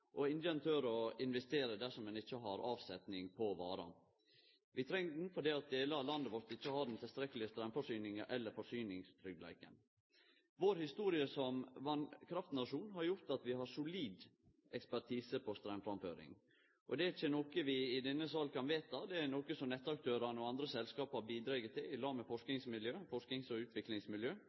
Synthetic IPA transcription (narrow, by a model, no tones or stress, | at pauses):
ʔɔɪnjənt̪ʰøɾɔɪnʋɛst̪eːɾəd̪æʂɔmɛnɪt͡ʃːəɦɑɾɑːʋsɛt̪nɪŋpʰɔʋɑ̰ːɾɑ̰n | ʋɪt̪ʰɾɛŋfɔd̪ɛɑt̪̚d̪eːləɑlɑnd̪əʋɔɾt̪ɪçːəhɑːd̪ɛnt̪ʰɪlst̪ɾɛkːlɪəst̪ɾœmfɔʂyːnɪŋəʔɛlːəɾfɔʂyːnɪŋst̪ʰɾʏɡ̪læ̰ɪkə̰n | ʋoːɾhɪst̪uːɾɪəsɔmʋɑnkʰɾɑft̪nɑʂuːnɦɑɾjʊɾt̪ɑt̪ʋɪhɑʂʊliːd̪ | ʔɛkspæʈ̪ʰiːsəpʰɔst̪ɾæmfɾɑmfø̰ːɾɪ̰ŋ | ʔɔd̪ɛɪçːənoːkəʋɪɪd̪ɛnːəsɑlkʰɑnʋeːt̪ɑd̪ɛæɾnoːkəsɔmnɛt̪ːəɑk̚t̪ʰøːɾɑnəɔɑnd̪ɾəsɛlskɑːphɑɾbiːd̪ɾɑːɡət̪ʰɪlɪlɑːməfɔʂknɪŋsmɪljøːfɔʂknɪŋsɔʉːt̪ʰʋɪklɪŋsmɪljøː